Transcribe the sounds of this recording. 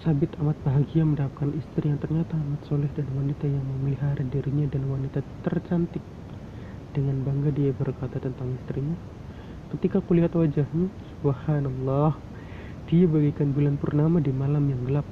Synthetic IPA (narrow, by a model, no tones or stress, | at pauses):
sabɪt̪amat̪̚baɦaɡiaməndap̚kanʔist̪ɾijaŋt̪ərɲat̪aːmat̪̚solɪhdanwanit̪ajaŋməməliɦaɾadiɾiɲadanwanit̪at̪ərt͡ʃant̪ɪk̚ | d̥əŋanbaŋɡadiabərkat̪at̪ənt̪aŋist̪ɾiɲa | kət̪ikakuliɦat̪wad͡ʒahɲasubhanɑlˤːɑh | d̥iabaɡikanbulanpurnamadimalamjaŋɡəlap̚